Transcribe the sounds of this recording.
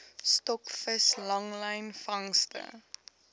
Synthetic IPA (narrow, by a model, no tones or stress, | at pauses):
stɔkfəslɐŋləjnfɐŋstə̰